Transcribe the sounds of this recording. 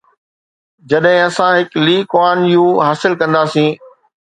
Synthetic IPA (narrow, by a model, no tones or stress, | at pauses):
d͡ʑɐɗɦɪ̃ɐsãɦɪkliːkwaːnjũɦaːsɪlkɐ̃nd̪aːsĩː